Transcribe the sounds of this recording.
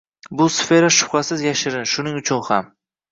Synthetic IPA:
bʊsfe̞ɾaʃʊ̥pχasɪzjaʃɪɾɪnʃʊnɪŋʊt͡ʃʰʊnham

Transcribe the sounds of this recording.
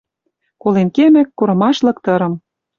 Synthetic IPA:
kolenkemɘ̆kːoɾɤ̆mɑʃlɤ̆k̚t̪ɤ̆ɾɤ̆m

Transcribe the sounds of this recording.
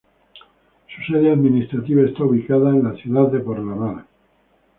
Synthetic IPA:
su̥seðeaðminist̪ɾat̪iβaest̪auβikaðaenlaθjuðaððe̞poɾlanaɾ

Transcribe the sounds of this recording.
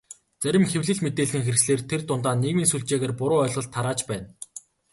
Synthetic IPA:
t͡sæɾʲɪ̆mxewɮɘ̆ɮmet̪eːɮɘ̆ŋxerxsɮeːrt̪ʰert̪ʊnt̪aːnːeɣmiːnsuɮt͡ɕeːɣeːrpʊɾʊːœːɮʁɞ̆ɮt̪ʰːaɾaːt͡ɕpæːn

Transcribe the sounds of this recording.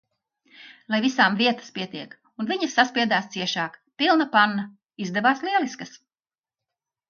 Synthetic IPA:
lˠajvisaːmviɛt̪ə̥spʲiɛt̪iɛk | unviɲɐsːaspʲiɛd̪aːst̪siɛʃaːkpilˠnapanːɐ | izd̪ɛvaːsliɛliskɐs

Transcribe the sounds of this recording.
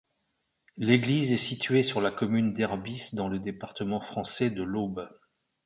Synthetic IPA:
leɡlizɛsit̪ɥesyʁlakɔmynd̪ɛʁbisd̪ɑ̃ləd̪epaʁt̪əmɑ̃fχɑ̃sɛd̪əlob

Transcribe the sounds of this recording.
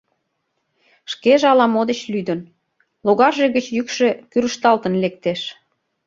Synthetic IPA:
ʃkeʒeɑlɑmod̪ət͡ɕlyd̪ən | loɣɑrʒeɣət͡ɕjykʃe̽kyɾəʃt̪ɑlt̪ənlek̚t̪eʃ

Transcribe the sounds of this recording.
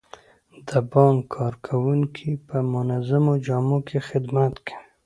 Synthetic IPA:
d̪əbɑŋkʰːɑɾkʰawuŋkʰipəmʊnazamod͡ʒɑmokʰexɪd̪mat̪kʰḁ

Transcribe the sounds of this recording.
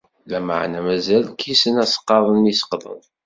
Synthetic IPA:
læmə̰ʕnæmæzælkisənæsə̥qːɑðˤənisə̥qðˤə̰ðˤ

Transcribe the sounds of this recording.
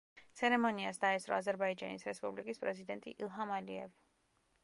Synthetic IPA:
t̪sʰɛɾɛmɔniasd̪aɛsɾɔ̰azɛɾbaid͡ʒa̰nisɾɛspʼublikʼispʼɾɛzid̪ɛnt̪ʼḭʔilˠɦamaliɛ̰vi

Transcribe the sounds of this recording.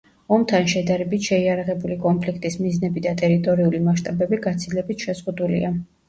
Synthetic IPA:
ɔmt̪ʰanʃɛd̪aɾɛbit̪ʃɛiaɾaʁɛbulikʼɔnpʰlikʰt̪ʼismiznɛbid̪at̪ʼɛɾit̪ʼɔɾiulimaʃt̪ʼabɛbiɡat̪sʰilɛbit̪ʰʃɛzʁud̪ulḭa

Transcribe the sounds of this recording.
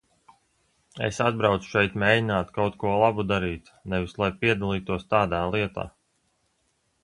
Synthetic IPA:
ḛsad̪̚bɾawt̪su̥ʃɛjt̪mʲeːdinaːt̪kawt̪kuɔlˠabud̪aɾiːt̪ | nɛvislˠajpiɛd̪alˠiːt̪uɔst̪aːd̪aːlˠiɛt̪a̰ː

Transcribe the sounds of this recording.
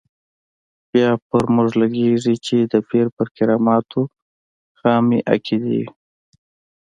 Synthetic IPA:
bjɑpəɾmʊʐlaɡeʐit͡ʃed̪əpeɾpəɾkɪɾɑmɑt̪ʰo | xɑmiʔa̰kʰid̪ḭ

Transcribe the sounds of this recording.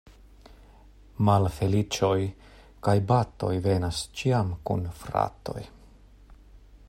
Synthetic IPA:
malfe̞lit͡ʃo̞j | kajbato̞̰jve̞nast͡ʃiamkunfɾa̰to̞̰j

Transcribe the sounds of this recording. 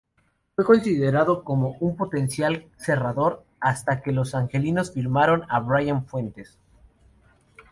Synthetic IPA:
fwe̞ko̞nsiðe̞ɾaðo̞ko̞mo̞ʔumpo̞t̪e̞nsjalse̞raðo̞ɾ | ast̪ake̞lo̞saŋxe̞lino̞sfiɾmaɾo̞naβɾajanfwe̞nt̪e̞s

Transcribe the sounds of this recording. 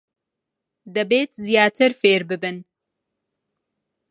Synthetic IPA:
d̪ɐbeːt̪zijaːt̪ʰɨɾfeːɾbɨbɨn

